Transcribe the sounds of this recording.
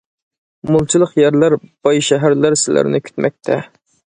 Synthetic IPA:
mulˠt͡ʃʰilˠəqjæɾlæɾb̥ɑjʃɛɦæɾlæɾsɪlæ̰ɾnɪkʲʰy̥t̪mɛ̰k̚ʲt̪ʰɛ

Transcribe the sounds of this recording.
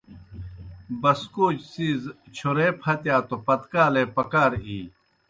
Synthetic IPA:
bɐskoːt͡ɕsiːzt͡ɕʰoɾeːpʰɐt̪jaːt̪opɐt̪kaːleːpɐkaːɾiː

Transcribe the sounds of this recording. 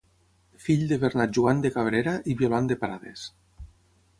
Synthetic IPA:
fiʎd̪eβeɾnaʒuand̪ekaβɾeɾaʔiβjoland̪epaɾa̰ðḛs

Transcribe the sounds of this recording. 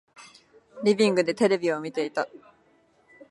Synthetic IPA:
ɾʲibʲĩŋɡɯ̟d̪e̞t̪e̞ɾe̞bʲio̞mʲit̪e̞it̪a

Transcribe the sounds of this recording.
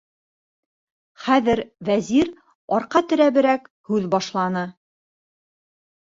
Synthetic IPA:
χæðɘɾvæziɾ | ɑɾqɑt̪ɵ̆ɾæβɘ̆ɾæk | hʉðbɑʃlˠɑnɤ

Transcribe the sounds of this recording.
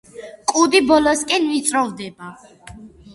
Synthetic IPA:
kʼud̪ibɔlɔskʼɛnvit̪sʼɾɔvd̪ɛba

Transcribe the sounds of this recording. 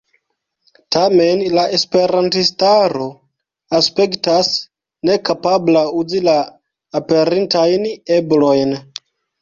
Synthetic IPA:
tame̞nlaʔespe̞ɾantistaɾo̞ | aspe̞ktas | ne̞kapablauzilaː | pe̞ɾintajneblo̞jn

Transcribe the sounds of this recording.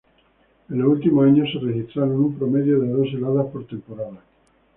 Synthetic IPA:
eloult̪imoaɲoserexist̪ɾaɾonumpɾomeðjoðeðos̬elaðaspoɾt̪e̞mpoɾaða

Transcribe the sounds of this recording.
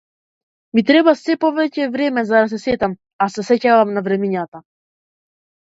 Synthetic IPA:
mit̪ɾɛbasɛpɔvɛcɛvɾɛmɛzad̪as̬ɛsɛt̪am | asɛsɛcavamnavɾɛmiɲat̪a

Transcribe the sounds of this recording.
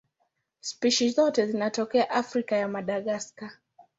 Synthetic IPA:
spiʃizɔtɛzinatɔkɛaʔafɾikajamaɗaɠaska

